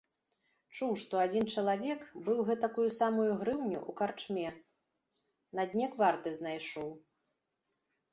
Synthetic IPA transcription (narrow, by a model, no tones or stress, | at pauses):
t͡ʂuwʂt̪ɔad͡zʲint͡ʂɐlˠavʲɛkbɨwɣɛt̪akujusamujuɣɾɨwnʲṵʔukart͡ʂmʲɛ | nɐd̪ʲnʲɛkvart̪ɨznajʂɔw